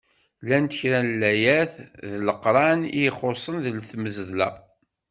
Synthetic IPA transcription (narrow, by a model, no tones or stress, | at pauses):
lænt̪əçɾænlːæjæθðləqɾˤɑnijχosˤənðlθməzəðlæ̰